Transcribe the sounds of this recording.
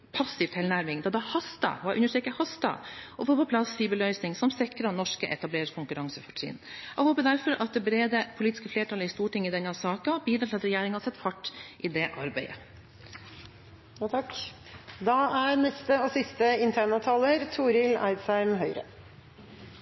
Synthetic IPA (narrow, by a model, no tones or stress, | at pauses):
pʰɑsːɪʋt̪ʰɪlnæɾmɪŋd̪ɑd̪ɑhɑst̪ɑ̰ɑʔʉ̰nːəʂʈ̪ɾɛːkəhɑst̪ɑ̰ʔɔfoːɾpɔpʰlɑsfiːbəlœʏsnɪŋsɔmsɪkɾɑnɔʂkəʔɛt̪ɑbleːɾɪkʰʊŋkʉɾɑŋsəfɑʈsɪ̰nɛɡhoːpəd̪æɾfɔɾʔɑt̪̚d̪ɛbɾeːd̪əpʰʊliːt̪ɪ̥skəfleːʈʰɑlːəɪst̪uːʈɪŋːəɪd̪ɛnːɑsɑːkɑbiːd̪ɾɑt̪ɪlɑt̪ɾɛjeːɾɪŋhɑsɛt̪ːfɑʈːʔɪd̪ɛʔɑɾbæɪə̰ | ɑk | d̪ɑæɾnɛst̪əɔsɪst̪əɪnt̪ʰæːɳɑt̪ʰɑːləɾt̪ʰuːɾɪlæ̰ɪd̪sæɪmɦœʏɾə̰